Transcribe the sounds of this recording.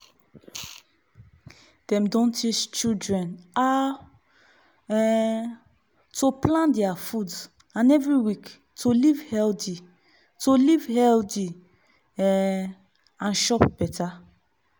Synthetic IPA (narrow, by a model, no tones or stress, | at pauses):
d̥ɛ̃mdɔ̃ntʰit͡ʃt͡ʃildɹɛ̃na | toplãndɛafud | ãnɛvɹiwik | tʰolivhɛldi | tolivhɛldi | ãnʃɔpb̥ɛtʰa